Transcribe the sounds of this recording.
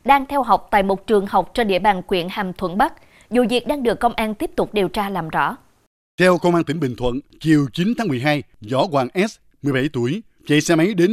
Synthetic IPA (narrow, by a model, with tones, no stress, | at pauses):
ɗaː˧ŋt̪ʰɛ˧wɦa˨˩wk͡p̚t̪a̰ː˧˨jmo˨˩t̚t͡ɕɨ˨˩əŋha˨˩wk͡p̚t͡ɕɔ˧ɗḭ˧˥əɓaː˨˩nkwḭ˧˨ənhaː˨˩mt̪ʰwə̰˧˥nɓa˦˥k̚ | zṵ˨˩vi˨˩ək̚ɗaː˧ŋɗɨ˨˩əkːə˧wŋ͡mʔaː˧nt̪i˦˥əp̚t̪ʊ˨˩k͡p̚ɗe˨˩wt͡ɕaː˧laː˨˩mzɔ̰˧˥ | t̪ʰɛ˧wkə˧wŋ͡mʔaː˧nt̪ï˧˩˦ŋɓï˨˩ŋ̟t̪ʰwə̰˧˨nt͡ɕi˨˩əwt͡ɕi˨˦nt̪ʰaː˨˦ŋmɨ˨˩əjɦaː˧j | zɔ˧˦kwaː˨˩nʔɛ˦˥s̚ | mɨ˨˩əjɓa˧˩jt̪u˧˩əj | t͡ɕa̰˧˨jsɛ˧ma˨˦jɗe˨˦n